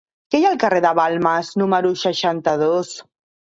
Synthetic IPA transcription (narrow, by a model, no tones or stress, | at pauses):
kejalˠkareðəβalˠmaznuməɾuʃəʃant̪əðos